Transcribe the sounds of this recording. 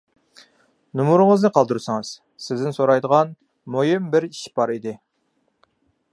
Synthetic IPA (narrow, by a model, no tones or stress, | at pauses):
numuɾɨŋəznɨqʰɑlˠd̪uɾɨsɨŋɨz̥ | sɪzd̪ɪnsoɾɑjd̪əʁɑn | mojimbɪɾiʃbɑɾid̪ɪ